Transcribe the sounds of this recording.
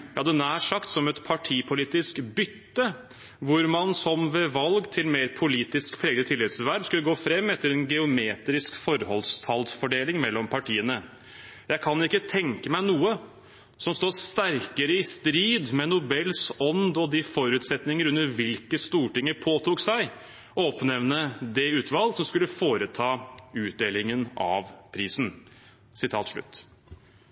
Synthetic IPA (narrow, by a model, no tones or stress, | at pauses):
jɑd̪ɛnæːʂɑkt̪sɔmɛt̪pʰɑʈʰiːpʰʊliːt̪ɪskbʏt̪ːə | ʋʊɾmɑnsɔmʋɛʋɑlɡt̪ʰɪlmeːɾpʰʊliːt̪ɪskpʰɾeːɡəət̪ʰɪlːɛsʋæɾbskʉləɡoːfɾɛmːɛt̪ːəɾɛnɡɛʊmeːt̪ɾɪskfɔɾhɔlst̪ʰɑld̪fɔɖeːlɪŋmɛlːɔmpʰɑʈʰiːənə | jæɪkʰɑnɪkːət̪ʰɛŋkəmæɪnuːə | sɔmst̪oːst̪æɾkəɾəɪst̪ɾiːd̪mɛnʊbɛlsɔnd̪ɔd̪ɪfɔɾʉːt̪sɛt̪nɪŋəɾʉnəɾʋɪlkəst̪uːʈɪŋːəɾpʰoːt̪ʰuːksæɪ | ɔɔpnɛʋnəd̪ɛʉːt̪ʰʋɑlːsɔmskʉlːəfoːɾət̪ʰɑːʉːt̪̚d̪eːlɪŋənɑ̰ʋpʰɾiːsn̩ | sɪt̪ʰɑ̰ːt̪ʂɭʉ̰t̪ː